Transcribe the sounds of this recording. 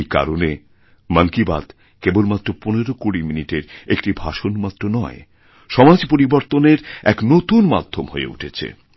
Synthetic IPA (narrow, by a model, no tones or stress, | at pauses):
jka̰ɾone | məŋkiba̰d̪ | kebolmat̪ːɾoponeɾokuɽiminiʈeɾek̚ʈibʱaʃonmat̪ːɾonɔe | ʃɔmad͡ʑpoɾiboɾt̪oneɾɛknot̪unmad̪ʱːomhoḛṵʈʰet͡ɕʰḛ